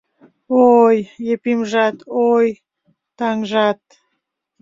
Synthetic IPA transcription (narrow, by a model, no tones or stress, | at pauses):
ojepimʒɑt̪oj | t̪ɑŋʒɑt̪̚